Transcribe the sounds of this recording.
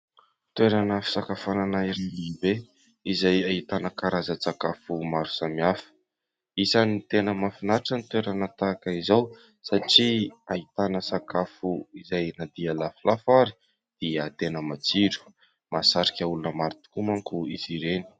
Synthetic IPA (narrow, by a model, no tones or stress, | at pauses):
t̪weɾanəfi̥sakafananaiɾinlibe | izajaɦit̪anəkaɾazət͡sakafumaɾu̥samiafə̥ | isanit̪enəmafinaʈ͡ʂənit̪weɾanat̪akəizaw | saʈ͡ʂiaɦit̪anəsakafuizajnad̪ialaflafaɾi̥ | d̪̥iat̪enəmat͡siɾu̥ | masaɾikʲaulunəmaɾit̪u̥kumaŋkuiziɾeni̥